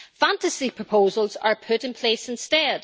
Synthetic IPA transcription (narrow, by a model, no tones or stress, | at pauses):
fãntəsipʰɹ̥əpʰozəl̩ˠzə̰˞pʰʊʔɪ̃npʰl̥esɪ̃nstɛd̥